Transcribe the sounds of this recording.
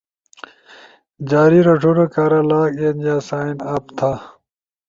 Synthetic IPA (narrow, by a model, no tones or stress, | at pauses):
d͡ʑaːɾiɾɐʈʰoɽɐkaːɾɐlaːkeːnjaːsaːinɐpt̪ʰa